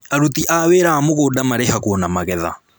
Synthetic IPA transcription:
aɾutiʔaweɾaːmoɣoːdamaɾɛhakwɔnamaɣɛða̰

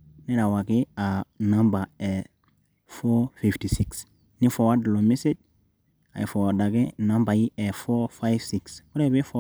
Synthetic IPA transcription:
nɛɾawaɡianãmbaɛ | fɔfiftisiks | nifɔwadlomisid̚ | a̰jfɔadaɡenãmbaiɛfɔfajv̥sikswɔɾebefɔ

